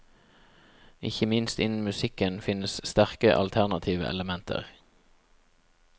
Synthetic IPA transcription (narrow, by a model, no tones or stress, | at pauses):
ɪçəmɪnst̪ɪnn̩mʉsɪkənfɪnəsst̪æʁkəʔɑ̰lt̪ʰæʁnɑt̪ʰiːʋə̰ʔɛ̰ləmɛnt̪ʰə̰ʁ